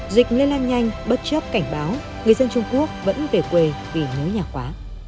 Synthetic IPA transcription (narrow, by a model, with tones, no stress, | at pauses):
zï˨˩k̟̚le˧laː˧nɲa˧jŋ̟ɓə˦˥t̚t͡ɕə˦˥p̚ka˧˩jŋ̟ɓaː˨˦w | ŋɨ˨˩əjzə˧nt͡ɕʊ˧ŋ͡mku˦˥ək̚və̰˧˥nve˨˩kwe˨˩vi˨˩nɨ̰˨˦jɲaː˨˩xwaː˨˦